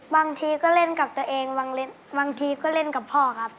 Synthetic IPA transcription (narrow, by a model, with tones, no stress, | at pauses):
baː˧ŋt̪ʰiː˧kɔː˥˩le˥˩˨nka˨˩p̚t̪u˧ɐ˧ʔeː˧ŋbaː˧ŋle˧˥˩n | baː˧ŋt̪ʰiː˧kɔː˥˩le˧˥˩nka˨˩pʰːɔː˧˩kʰa˦˥p̚